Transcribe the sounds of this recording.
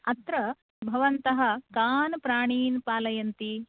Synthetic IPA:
ɐt̪ɾɐ | bʱɐʋɐnt̪ɐɦɐ̆kaːnpɾaːɳiːnpaːlɐjɐnt̪i

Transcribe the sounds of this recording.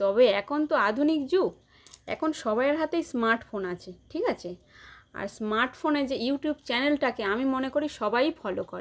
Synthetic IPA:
t̪ɔbeɛkʰont̪oad̪ʱunikd͡ʑu | ɛ̰kʰonʃɔbaeɾɦat̪ejsmaɾʈfonat͡ɕʰeʈʰikat͡ɕʰe | a̰ɾsmaɾʈfoned͡ʑejuʈjubt͡ɕɛnelʈakeamimonekoɾiʃɔbajbʰʱɔlokoɾe

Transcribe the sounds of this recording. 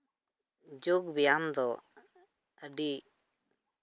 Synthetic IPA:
d͡ʒuɡbijamd̪ɔ | əɖi

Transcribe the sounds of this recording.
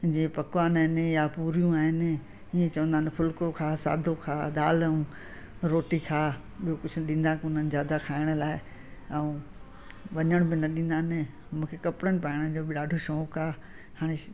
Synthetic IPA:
d͡ʑiːpɐkʋaːnaːɦɪnɪjapuːɾijũaːɦɪnɪ̆ | iːẽt͡ɕɐʋə̃nd̪aːnɪpʰʊlkokʰaːsa̰ːd̪ʱokʰaːɗ̪aːləũ | ɾoːʈikʰaː | ɓijokʊd͡ʑʱʊɗĩːn̆d̪aːkʊnənɪ̆zjaːd̪akʰaːɪɽ̃laːɪ | ɛũ | ʋɐɲəɽ̃bɪnɐɗĩːn̆d̪aːnɪ | mũːkʰekɐpɽənɪ̆paːɪɽ̃əd͡ʑoːbɪɗaːɖʱoʃɔːkaː | haːɽ̃e

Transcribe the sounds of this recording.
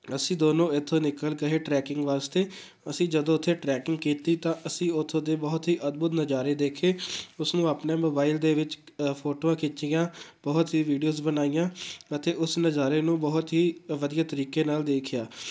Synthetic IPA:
əsĩːd̪oːnõːɪt̪ʰːõːnɪkəlkəɦeːʈɾɛːkɪ̃ŋɡʋaːst̪eː | əsĩːd͡ʒəd̪õːʊt̪ʰːeːʈɾɛːkɪŋɡkiːt̪ːiːt̪ãːʔəsĩːʊt̪ʰːõːd̪eːbɔɦt̪ɦiːʔəd̪̚bʊt̪nəd͡ʒaːɾeːd̪eːkʰeːʊsnũːaːpneːmoːbaːɪld̪eːʋɪt͡ʃ | pʰoːʈoːãːkɪt͡ʃijãːbɔɦt̪ɦiːʋiːɖioːzbənaːijãːət̪eːʔʊsnəd͡ʒaːɾeːnũːbɔɦʊt̪ɦiːʋəd̪ijaːt̪əɾiːkeːnaːld̪eːkʰjaː

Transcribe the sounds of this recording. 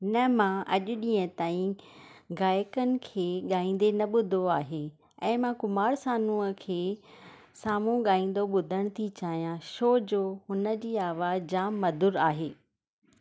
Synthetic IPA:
nɐmãʔɐʄʊɗĩːə̃t̪aːĩɡaːjkənɪ̆kʰeːɠaːĩːn̆d̪enɐɓʊd̪ʱoaːɦe | ɛ̃ːmãkʊmaːɽsaːnũəkʰeː | saːmũɠaːĩːn̆d̪oɓʊd̪ʱəɽ̃t̪ʰit͡ɕaːɦijãʃoːd͡ʑoːhʊnə̆d͡ʑiːaːʋaːd͡ʑaːmːɐd̪ʱʊɾaːɦeː

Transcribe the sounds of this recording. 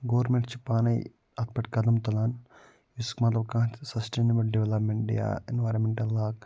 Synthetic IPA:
ɡoːʋɐɾmẽɳʈt͡ʃi̥paːnɐj | ɐt̪̚pɐʈkɐd̪ɐmt̪ɐlaːn | iskmɐt̪lɐbkãːtsɐsʈeːnɐbɐlɖeʋelɐpmeɳʈɖija̰enʋaːɾɐnmeɳʈɐlːaːk

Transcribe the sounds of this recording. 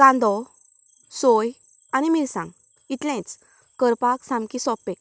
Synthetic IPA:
ɡ̥ãnd̪ɔ | soj | animilsã̰ŋɡ | it̪lɛ̃t͡s | kəɾpaksãmkisɔpːẽ

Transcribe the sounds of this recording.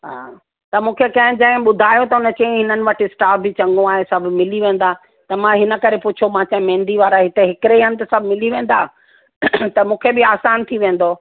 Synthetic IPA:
ɦa̰ː | t̪ɐmũːkʰekɐ̃ɦɪ̃d͡ʑɐ̃ɦɪ̃ɓʊd̪ʱaːjot̪ɐɦʊnət͡ɕɐ̃ĩɦɪnənɪ̆ʋɐʈʰɪɪsʈaːfbɪt͡ɕɐ̃ŋɡõaːɦesɐbʱʊmɪliʋẽːn̆d̪aː | t̪ɐmãɦɪnə̆kɐɾepʊt͡ɕʰomãt͡ɕãɦmẽːnd̪iʋaːɾaɦɪt̪eɦɪkɪɾeɦɐnɪ̆t̪ɐsɐbʱmɪliʋẽːn̆d̪aː | t̪ɐmũːkʰebɪaːsaːnt̪ʰiʋẽːn̆d̪o

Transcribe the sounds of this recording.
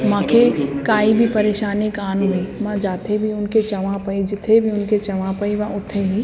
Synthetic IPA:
mãkʰekaːibʱipəɾeːʃaːnɪkaːnɦoimãd͡ʒaːt̪ʰebʱiʊnket͡ʃəʋãpəid͡ʒɪt̪ʰːebʱiʊnket͡ʃɐʋãpəiʋaʔʊt̪ʰːeɦi

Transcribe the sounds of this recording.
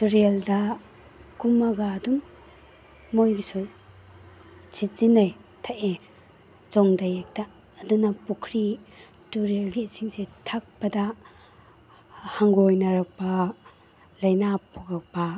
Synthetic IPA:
tuɾeldɐ | kumɐɡaːdun | ojɡisu | t͡ʃitzinajtʰaʔe | t͡ʃɔŋdajek̚taː | dunɐpukʰɾi | tuɾelɡisiŋsetʰak̚pɐda | haŋɡojnɐɾɐk̚pa | lɐjnapʰuɡak̚pɐ

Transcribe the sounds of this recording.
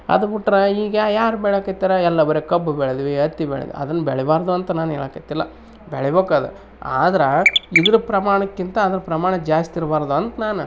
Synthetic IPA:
ɐ̰d̪ubiʈːɾɐiːɡɐjaːɾubɛɭokɐt̪ːiːɾɐɛlːɐbɐɾekɐbːubɛɭed̪ʋiɐt̪ːibɛ̰ɭḛd̪̰ḭɐ̰d̪ɐnːɐbɛɭɛbaːɾd̪uɐnt̪ɐnaːnɛːɭɐːkɐt̪ːilːɐ̰ | bɛɭɛbeːkaːd̪ṵ | a̰ːd̪ɐɾeid̪ɐɾupɾɐmaːɳɐkːint̪ɐːd̪ɐɾɐpɾɐmaːɳɐd͡ʒaːst̪iɾbaːɾd̪uɐnt̪ɐnaːnu

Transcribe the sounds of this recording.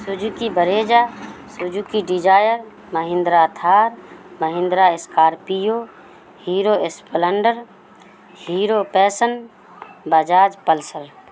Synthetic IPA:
sʊd͡ʒukibəɾeːd͡ʒaːsʊd͡ʒukiɖid͡ʒaːjəɾ | məɦɪ̃nd̪ɾat̪ʰaːɾməɦɪ̃nd̪ɾaɪskaːɾpijoː | hiːɾoespələɳɖəɾ | hiːɾoːpɛːsən | bəd͡ʒaːd͡ʒpəlsəɾ

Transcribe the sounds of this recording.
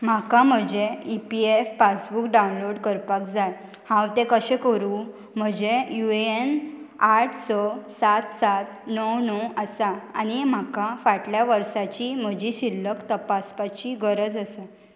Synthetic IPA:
m̤akãm̤əd͡ʑeipiefːasbukɖawnloɽkəɾpakd͡zaj | hãwt̪ẽkəɕẽkəɾuː | m̤əd͡ʑejueenaʈʰsɔsat̪sat̪nɔwnɔəsaañim̤akafaʈljaʋəɾsat͡ɕim̤əd͡ʑiɕilːəkt̪əpaspat͡ɕiɡəɾəd͡zəse

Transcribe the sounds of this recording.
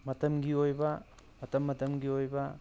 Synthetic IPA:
mɐtɐmɡiojbɐ | mɐtɐmːɐtɐmɡiojbɐ

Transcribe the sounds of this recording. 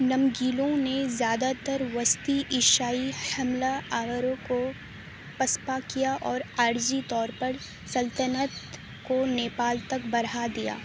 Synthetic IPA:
nɐmɡiːlõnezjaːd̪at̪ɐɾʋɐst̪iʔɪʃaːihɐmlaaːʋəɾõko | pɐspakijaʔɔːɾaːɾd͡ʒit̪ɔːɾpɐɾ | sɐlt̪ənət̪ | koneːpaːlt̪ɐk̚bɐɾad̪ija̰ː

